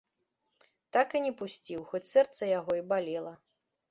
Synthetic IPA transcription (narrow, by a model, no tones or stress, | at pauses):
t̪akɨnʲɛpusʲt͡sʲiwxɔt͡sʲsɛrt̪sɐjaɣɔibalʲɛlˠɐ